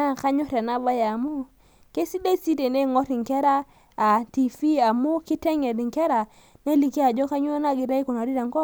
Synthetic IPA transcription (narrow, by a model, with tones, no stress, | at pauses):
a˦ka˦ɲɔ˦ɾa˨na˦ba˦ja˨mu˦ | ke˦si˦de˦i˦si˦te˨ne˦˨ŋo˦ti˨ŋke˦ɾaː˦˨ | ti˨fi˦a˨mu˦ki˦te˦ŋe˨di˨ŋke˦ɾa˨ | ne˦li˨ki˦a˨d͡ʒo˦ka˦ɲu˦o˦na˦˨ɡi˨ɾa˦i˦ko˨na˨ɾi˦da˨ŋko˦